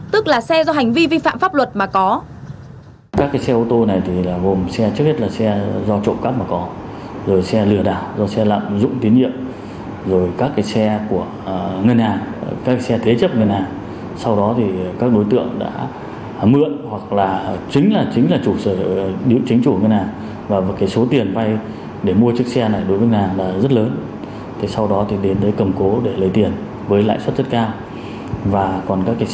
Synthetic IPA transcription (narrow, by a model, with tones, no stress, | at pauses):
t̪ɨ˦˥k̚laː˨˩sɛ˧zɔ˧ɦa˨˩jŋ̟vi˧vi˧fa̰ː˧˨mfaː˦˥p̚lwə˨˩t̚maː˨˩kɔ˨˦ | kaː˦˥kːaː˨˦jsɛ˧ʔo˧t̪o˧na˨˩jt̪ʰi˨˩laː˨˩ɣo˨˩msɛ˧t͡ɕɨ˦˥k̚he˦˥t̚laː˨˩sɛ˧zɔ˧t͡ɕo̰˧˨kaː˦˥p̚maː˨˩kɔ˨˦zo˨˩jsɛ˧lɨ˧˩əɗaː˨˩wzɔ˧sɛ˧la̰ː˧˨mzʊ̰˧˥ŋ͡mt̪i˨˦ənɲḭ˧˨əm | zo˨˩jkaː˦˥kːaː˨˦jsɛ˧ku˧˩ə | ŋə˧nhaː˨˩ŋkaː˦˥kːsɛ˧t̪ʰe˨˦t͡ɕə˦˥p̚ŋə˧˩nhaː˨˩ŋ | sa˧wɗɔ˨˦t̪ʰi˨˩kaː˦˥k̚ɗo˨˦jt̪ɨ̰˧˨əŋɗa̰ː˧˥ | mɨ̰˧˨ənhwa˨˩k̚laː˨˩t͡ɕï˨˦ŋ̟laː˨˩t͡ɕï˨˦ŋ̟laː˨˩t͡ɕu˧˩səː˧˩ɗḭ˧˨wt͡ɕï˨˦ŋ̟t͡ɕu˧˩˨ŋə˧nhaː˨˩ŋ | vaː˨˩vaː˨˩kaː˨˦jso˨˦t̪i˨˩ənva˧j | ɗe˧˩mu˧ət͡ɕɨ˦˥ək̚sɛ˧na˨˩jɗo˨˦jvəː˨˦ŋə˧nhaː˨˩ŋɗa̰ː˧˥zə˦˥t̚ləː˨˦n | t̪ʰi˨˩sa˧wɗɔ˨˦t̪ʰi˨˩ɗe˨˦nt̪əː˨˦jkə˨˩mko˨˦ɗe˧˩lə˨˦jt̪i˨˩ən | vəː˨˦jla̰ː˧˨jswə˦˥t̚zə˦˥t̚kaː˧w | vaː˨˩kɔ˨˩nkaː˦˥kːaː˨˦